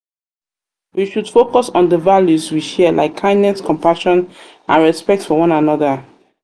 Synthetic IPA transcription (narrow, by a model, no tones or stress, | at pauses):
wiʃudfokɔsɔ̃ndəvaljuswiʃɛlʔa̰ɪkʰːãɪ̃ndnɛskɔ̃mpaʃɔ̃n | ãnɹɛspɛk̚tfɔwɔ̃nãnɔðə